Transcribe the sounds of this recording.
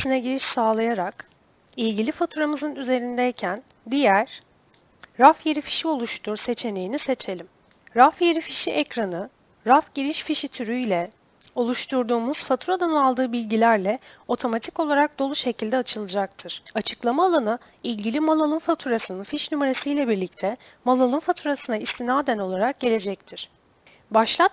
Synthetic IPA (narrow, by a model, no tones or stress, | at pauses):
sinɛɟiɾiʃsaːlˠajaɾak | ilʲɟilʲifat̪ʰuɾamɯzɯnyze̞ɾind̪ɛjcʰæn | d̪ijæɾ̥ | ɾafje̞ɾifi̥ʃio̞lˠuʃt̪ʰuɾse̞t͡ʃʰe̞nejinise̞t͡ʃʰe̞lʲim | ɾafje̞ɾifiʃiʔɛcɾanɯ | ɾafɟiɾiʃfiʃit̪ʰyɾyjlʲɛ | o̞lˠuʃt̪ʰuɾd̪uːmuz̥fat̪ʰuɾad̪analˠd̪ɯːbilʲɟilʲæɾlʲɛo̞t̪ʰo̞mat̪ʰiko̞lˠaɾak̚d̪o̞lˠuʃe̞cʰilʲd̪ɛat͡ʃʰɯlˠɯd͡ʒak̚t̪ʰɯɾ̥at͡ʃʰɯ̥klˠamalˠanɯ | ilʲɟilʲimalˠalˠɯnfat̪ʰuɾasɯnɯnfiʃnymeɾe̞sijlʲɛbiɾlʲic̚t̪ʰɛmalˠalˠɯnfat̪ʰuɾasɯnaist̪ʰinaːd̪æno̞lˠaɾak̚ɟe̞lʲe̞d͡ʒɛc̚t̪ʰiɾ̥ | baʃlˠat̪